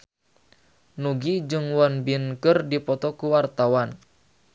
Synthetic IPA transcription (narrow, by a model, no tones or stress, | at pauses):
nuɡid͡ʒɨŋwɔnbinkɨrdipɔt̪ɔkuwart̪awan